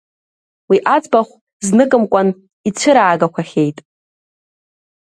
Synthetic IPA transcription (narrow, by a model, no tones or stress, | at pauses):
wiʔat͡sʼbaχʷ | znɨkʼɨmkʷʼan | it͡ɕʷʰɨɾaːɡakʷʰaχʲe̞jtʼ